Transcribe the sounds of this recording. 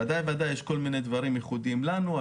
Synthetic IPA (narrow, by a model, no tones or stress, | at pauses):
ad̪ajvad̪ajːeʃko̞lmined̪vaʁimjeχud̪iimlanua